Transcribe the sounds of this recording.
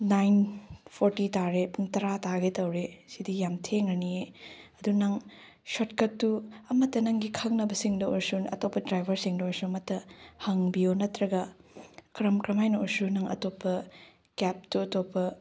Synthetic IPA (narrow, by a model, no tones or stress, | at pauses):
najnpʰoɾtitaɾepuŋtɐɾataɡetɐwɾesidijamtʰeŋɾɐnieɐdunɐŋ | sotkɐt̚tːuɐmɐtːɐnɐŋɡikʰɐknɐbɐsiŋdɐɔɾsunɐ̰topːɐdɾajbʱɐɾsiŋdɐɔɾsuɐmɐtːɐhɐŋbijonɐtɾɐɡɐkɾɐmkɾɐmajnuɔɾsunɐŋɐ̰topːɐ | kɛp̚tuɐtopːɐ